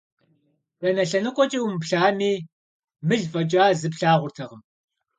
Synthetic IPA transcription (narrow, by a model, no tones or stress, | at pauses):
rɐnɐɬɐnɨqʷʼɔt͡ʃʼiːwmpɬaːmiː | mɨɮfʼɐt͡ʃʼaːzɨpɬaːʁʷʊrtʰɐʁəm